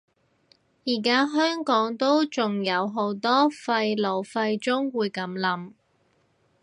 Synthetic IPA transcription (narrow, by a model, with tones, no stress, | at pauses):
jiː˨˩kaː˥ɦœː˥ŋkɔː˨˥ŋt̪o˥wt͡sʊ˨ŋjɐ˨˧wɦo˨˥wt̪ɔː˥fɐ˧jlo˨˩wfɐ˧jt͡sʊ˥ŋwuː˨˧jkɐ˨˥mlɐ˨˥m